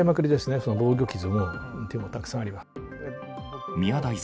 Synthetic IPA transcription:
imakɯ̟ɾʲid̪e̞sɨne̞so̞no̞bo̞ːɡʲo̞kʲizɨmõt̪emo̞t̪akɯ̥sãaɾima | e | mʲiad̪ai

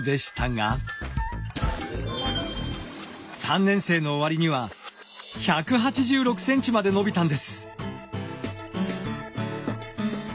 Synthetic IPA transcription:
d̪e̞ɕi̥t̪aŋa̰ | sãnːẽ̞ɰ̃se̞ːno̞ːβaɾʲiɲ̟iβa | çakɯ̟ɦat͡ɕiʑɨːɾo̞kɯ̟̥sẽ̞ɲ̟t͡ɕimad̪e̞no̞bʲit̪ãnd̪e̞sɨ̥

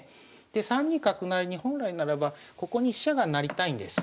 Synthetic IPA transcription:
d̪̥e̞sãɲ̟ːĩkakɯ̟naɾʲiɲ̟ihõ̞nɾainaɾabako̞ko̞ɲ̟iɕaɡanaɾʲit̪aĩnd̪e̞sɨ̥

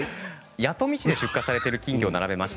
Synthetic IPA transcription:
jat̪o̞mʲiɕid̪e̞ɕɨkːasaɾe̞t̪e̞ɾɯ̟kʲĩŋɡʲionaɾabe̞maɕi̥t̪

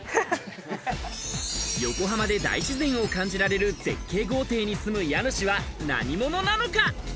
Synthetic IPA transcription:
jo̞ko̞ɦamad̪e̞d̪a̰iɕizẽ̞ɰ̃o̞kãɲ̟d͡ʑiɾaɾe̞ɾɯ̟te̞̰kːe̞ːɡo̞ːt̪e̞ːɲ̟isɨmɯ̟janɯɕiβana̰ɲ̟imo̞no̞nano̞ka

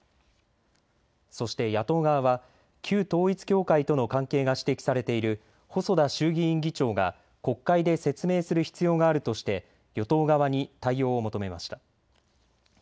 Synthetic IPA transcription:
so̞ɕi̥t̪e̞jat̪o̞ːɡaβaβa | kʲʰɨːt̪o̞ːit͡sɨ̥kʲo̞ːkait̪o̞no̞kãŋke̞ːɡaɕi̥t̪e̞kʲi̥saɾe̞t̪e̞iɾɯ̟ | ho̞so̞d̪aɕɨːɡʲiĩŋɡʲit͡ɕo̞ːɡa̰ | ko̞kːaid̪e̞se̞t͡sɨme̞ːsɨɾɯ̟çi̥t͡sɨjo̞ːɡaːɾɯ̟t̪o̞ɕi̥t̪e̞ | jo̞t̪o̞ːɡaβaɲ̟it̪aijo̞ːmo̞t̪o̞me̞maɕi̥t̪ḁ

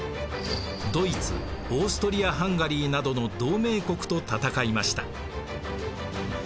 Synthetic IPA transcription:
d̪o̞it͡sɨ̰o̞ːsɨ̥t̪o̞ɾʲiaɦãŋɡaɾʲiːnad̪o̞no̞d̪o̞ːme̞ːko̞kɯ̥t̪o̞t̪at̪akaimaɕi̥t̪a̰

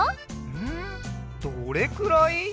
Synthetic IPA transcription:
ɯ̟̃d̪̥oɾekɯɾoi

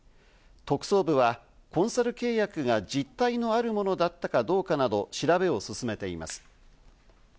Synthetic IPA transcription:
t̪o̞kɯ̟̥so̞ːbɯ̟βa | kõ̞ɰ̃saɾɯ̟ke̞ːjakɯ̟ɡad͡ʑit̪ːaino̞aɾɯ̟mo̞no̞d̪at̪ːakad̪o̞ːkanad̪o̞ɕiɾabe̞o̞sɨsɨme̞t̪e̞ḭma̰sɨ̥

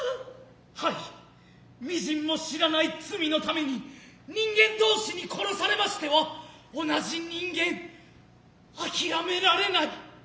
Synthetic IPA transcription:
hai | mʲiʑĩmːo̞ɕiɾanait͡sɨmʲino̞t̪ame̞ɲ̟iɲ̟ĩŋɡẽ̞nd̪o̞ːɕiɲ̟ikʰo̞ɾo̞saɾe̞maɕi̥t̪e̞βao̞naʑiɲ̟ĩŋɡẽ̞ɴ | akʲiɾame̞ɾaɾe̞nai

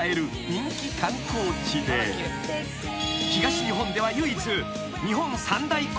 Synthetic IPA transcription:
e̞ɾɯ̟ | ɲĩŋkʲikãŋkʰo̞ːt͡ɕid̪e̞ | çiɡaɕiɲiɦõ̞nd̪e̞β̞ajɯːit͡sɨ | ɲ̟iɦõ̞nːosãnd̪aik

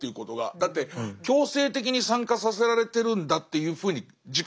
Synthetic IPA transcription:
ejɯ̟ko̞t̪o̞ɡa̰d̪at̪ːe̞kʲo̞ːse̞ːt̪e̞kʲiɲ̟isãŋkasase̞ɾaɾe̞t̪e̞ɾɯ̟̃nd̪at̪ːe̞jɯ̟ːɸɯ̟ːɲ̟i | d͡ʑik

